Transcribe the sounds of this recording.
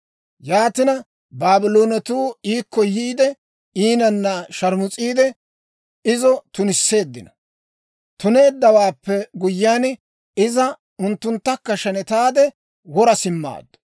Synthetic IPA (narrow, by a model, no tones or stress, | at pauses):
jaːt̪ɪnɐ | baːbɪloːnɐt̪uːiːkːɔjiːd̪ɛ | iːnɐnːɐʃɐɾmʊt͡sʼiːd̪ɛ | ɪzɔt̪ʊnɪsːe̞ːd̪ːɪnɐ̥ | t̪ʊne̞ːd̪ːɐwaːpːɛɡʊjːaːn | ɪzɐ | ʊnt̪ːʊnt̪ːɐkːɐʃɐnɛt̪aːd̪ɛ | wɔɾɐsɪmːa̰ːd̪ːʊ̥